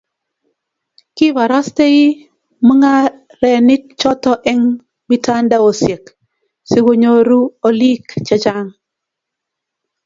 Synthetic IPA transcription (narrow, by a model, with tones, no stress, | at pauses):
kɪ˦βa˨ɾɔ˦ste˦ɪ˦ | mu˦ŋa˦ | ɾɛ˨nɪ˦k̚t͡ʃɔ˦tɔ˦ʔɛ˦ŋ | mi˦ta˦nda˦o˨sje˨k | sɪ˦ɡo˦ɲo˦ɾu˦o˦li˦kt͡ʃa˦t͡ʃa˦ŋ